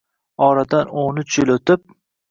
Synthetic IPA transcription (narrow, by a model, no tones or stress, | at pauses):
ɒɾad̪anonʊt͡ʃʰjɪlɵt̪ɪp̚